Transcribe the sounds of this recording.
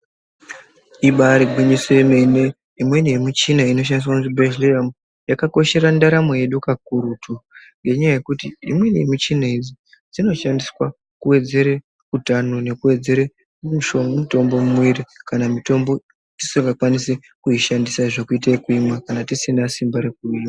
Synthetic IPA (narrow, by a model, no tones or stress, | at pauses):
iɓaɾiɡwiɲisoeme̞ne | imwe̞nemit͡ʃinaino̞ʃ̬andis̬wakutibeʒliam | jakako̞ʃe̞ɾandaɾamoje̞ɗukak̚uɾutuŋɡe̞ɲajaje̞kutiḭmwe̞nemit͡ʃinaid͡zi | d͡zino̞ʃandiswa | kuwe̞d͡ze̞ɾe | kutanone̞kue̞d͡ze̞ɾe | muʃommuto̞mbo̞mumwiɾikanamito̞mbo̞ | ti̥soŋɡakwanise | kuiʃandisaʐo̞kuit̬aikuimwakanatisinasimbaɾe̞kuima